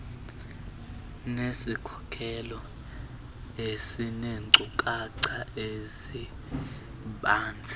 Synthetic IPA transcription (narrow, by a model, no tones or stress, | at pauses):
nesikʰɔ̥kʰɛlɔ | esineŋǀukʼaǀʰaezi | ɓaːnd͡zʱi̥